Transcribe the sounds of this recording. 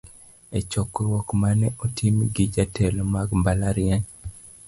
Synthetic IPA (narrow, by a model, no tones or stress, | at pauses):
et͡ʃɔkɾwɔkmanɛʔotʰimɡɪd͡ʒatʰɛlɔmaɡmbalaɾɪaɲ